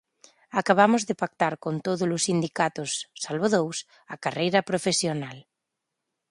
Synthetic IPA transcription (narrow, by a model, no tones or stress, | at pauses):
akaβamʊzðɪpak̚t̪aɾkont̪oðʊlʊsind̪ikat̪ʊsːalβoðows | ɐkarejɾɐpɾofesjonal